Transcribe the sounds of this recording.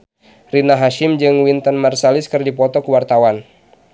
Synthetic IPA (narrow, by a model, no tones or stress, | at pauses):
rinaɦaʃɪmd͡ʒɨŋwint̪ənmarsalɪskɨrdipɔt̪ɔkəwart̪awan